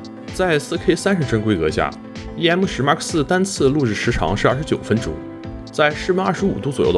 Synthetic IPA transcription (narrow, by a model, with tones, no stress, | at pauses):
t͡sa˥˧ɪsɹ̩˥kʰe˥ɪsa˥nʂə˧˥˩ʈ͡ʂɤ˥ŋkwe˥kɤ˧˥ɕja̰˥˩ | i˥ɛ˥nmu˥˩ʂɻ̩˧˥ma˧˥kʰə˥˩sɹ̩˥˩t̪a˥nt͡sʰɹ̩˥lu˥˧ʈ͡ʂɻ̩˥˩ʂɻ̩˧˥ʈ͡ʂʰɑ̰˧˥ŋʂɻ̩˥˧ɐ˥˩ʂɻ̩˧t͡ɕjo˨˩ʊfə˥nʈ͡ʂʊ̰˥˩ŋ | t͡sa˥˧ɪʂɻ̩˥˧˥nɐ˥˩ʂɻ̩˧˥ṵ˨˩t̪u˥t͡swɔ˨˩jo̰˥˩